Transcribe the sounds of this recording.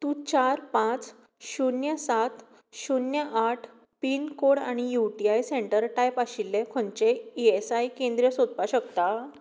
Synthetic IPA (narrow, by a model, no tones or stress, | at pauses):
t̪ũːt͡ɕaɾpãt͡s | ɕunjəsat̪ | ɕunjəʔaʈʰ | piːnkoɽaɽ̃ijuʈiajsẽɳʈəɾʈajpaɕilːekʰõɳt͡ɕeiesajkẽnd̪ɾijəsod̪̚paɕəkt̪a